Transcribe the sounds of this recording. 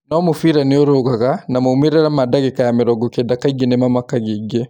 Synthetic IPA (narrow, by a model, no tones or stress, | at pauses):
nɔmufiɾanioɾoɡakanamoumiɾɛɾamadaɡɛkajamɛɾɔɡokɛdakːaɡinɛmamakːaɡiɡe